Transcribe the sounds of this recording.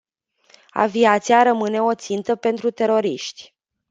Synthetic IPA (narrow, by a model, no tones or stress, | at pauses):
a̰viat̪siaɾəmɨne̞o̞t̪sint̪əpe̞nt̪ɾut̪e̞ɾo̞ɾiʃt̪ʲ